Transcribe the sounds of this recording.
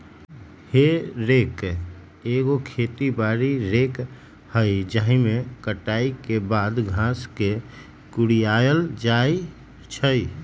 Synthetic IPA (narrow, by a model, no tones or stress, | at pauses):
heɾeːk | eɡokʰet̪ibaɾiɾeːk | həɪd͡ʒaɦĩmekəʈaikebaːd̪ɡʱãske | kʊɽijajəld͡ʒai | t͡ʃʰəi